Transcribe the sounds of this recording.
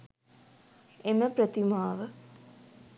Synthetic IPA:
emɐpɾɐt̪imaːʋə

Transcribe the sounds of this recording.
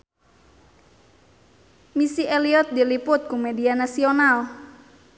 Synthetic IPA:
misieliɔt̪̚d̪ilipʊt̪̚kumedianasional

